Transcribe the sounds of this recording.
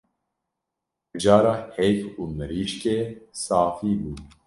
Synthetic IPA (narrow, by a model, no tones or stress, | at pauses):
d͡ʒaːɾaːheːjkuːmɨɾiːʃkeːsaːfiːbuː